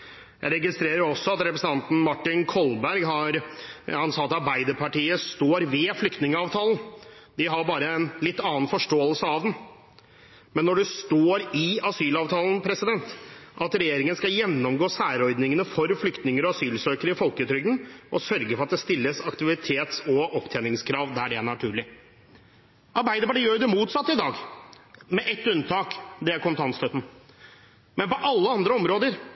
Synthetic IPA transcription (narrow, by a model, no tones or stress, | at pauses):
jæ̰ɪɾɛɡɪst̪ɾeːɾəɾɔsːɔɑt̪ɾɛpɾəsən̩t̪ɑnt̪n̩mɑʈːɪnkʰɔlbæɾɡɦɑɾhɑnsɑːɑt̪ɑɾbæɪd̪əpʰɑʈiːəst̪oːɾʋɛflʏkt̪nɪŋəɑːʋt̪ʰɑːlˠən̩ | d̪ɪɦɑɾbɑːɾəɛnlɪt̪ːɑːnfɔʂʈoːəlsəɑʋd̪ɛn | mɛnːɔɖɛst̪oːɾɪɑsyːlɑːʋt̪ʰɑːln̩pʰɾɛsɪd̪ɛnt̪ʔɑt̪ɾɛjeːɾɪŋənskɑjɛnːɔmɡoːsæːɾɔʏd̪nɪŋənəfɔɾflʏkt̪nɪŋəɾɔɑsyːlsøːkəɾəɪfɔlkət̪ʰɾʏɡənʔɔsœɾɡəfɔɾɑt̪d̪ɛst̪ɪlːəsɑkt̪ɪʋɪt̪ʰeːt̪sɔʔɔpt̪ʰeːnɪŋskʰɾɑːʋd̪æɖɛænɑʈʰʉːɭɪ | ɑɾbæɪd̪əbɑɖəjøːjʊd̪ɛmuːt̪sɑt̪ːɪd̪ɑːɡ | mɛʔɛt̪ːʉnt̪ʰɑːkd̪ɛæɾkʰɔmt̪ʰɑnst̪œt̪n̩ | mɛnpɔʔɑlːəɑnd̪ɾəɔmɾoːd̪əɾ